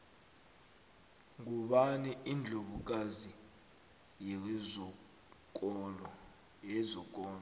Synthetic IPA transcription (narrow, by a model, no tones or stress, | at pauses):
ŋuɓaniind͡ɮʱovuk̬ʼazi | jɛ | ɛzɔk̬ʼɔːlɔ